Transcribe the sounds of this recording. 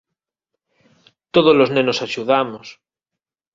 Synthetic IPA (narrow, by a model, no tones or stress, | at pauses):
t̪oð̞oloznẽnosaʃuðamos